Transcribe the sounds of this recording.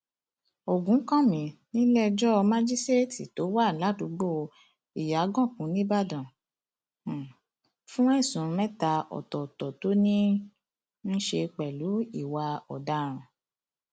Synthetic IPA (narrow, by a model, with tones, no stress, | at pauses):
o˨ɡũ˨˦kã˦˨mĩ˨nĩ˦lɛ˦d͡ʒɔ˦˧mã˦d͡ʒi˦ste˦ti˨to˨˦wa˦˨la˨˦du˧ɡ͡bo˦˨ | i˨ja˨˦ɡɔ̃˦˨kũ˨˦nĩ˦ba˦˨dã˨ | fũ˦ɛ˦˨sũ˨˧mɛ̃˦ta˧ɔ̰˨tɔ˨tɔ˨to˨˦nĩ˦ | n̩˦ʃe˧k͡pɛ˨lu˨˦i˦˨wa˧ɔ˨da˨˦ɾ̃ɔ̃˨